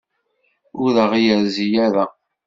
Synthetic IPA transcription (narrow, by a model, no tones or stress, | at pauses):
ʊɾəʁijəɾzijæɾæ